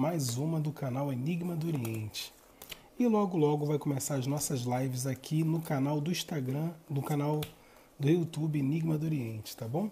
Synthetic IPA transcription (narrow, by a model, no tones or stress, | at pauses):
majzũmɐd̪ʊkanaweniɡmɐd̪ʊoɾiẽnt͡ʃɪ̥ | ɪlɔɡʊlɔɡʊvajkomesaɾɐznɔsɐzlajvɪzakʰinʊkanawd̪ʊĩʃt̪aɡɾɐ̃d̪ʊkanaw | d̪ʊut̪ubɪeniɡmɐd̪ʊoɾiẽnt͡ʃɪ̥t̪abõw̃